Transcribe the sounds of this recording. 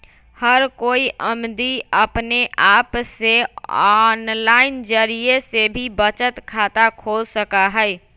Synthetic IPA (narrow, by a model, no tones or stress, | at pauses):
həɾkoiʔəmd̪iəpneʔapseɔnlaɪnd͡ʒəɾiesebʱibət͡ʃət̪kʰat̪akʰolsəkaɦəj